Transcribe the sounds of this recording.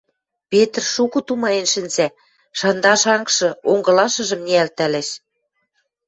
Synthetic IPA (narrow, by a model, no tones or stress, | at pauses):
pet̪rʃukut̪umɑjenʃɘ̆nzæ | ʃɑnd̪ɑʃɑŋkʃɤ̆oŋɡɤ̆lɑʃɤ̆ʒɤ̆mnʲiælt̪ælæʃ